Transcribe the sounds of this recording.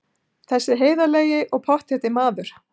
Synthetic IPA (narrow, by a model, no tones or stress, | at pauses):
θɛsːɪɦeːjðaleːjɪʔɔɣpʰɔht̪ɛt̪ɪmaːðʏɾ̥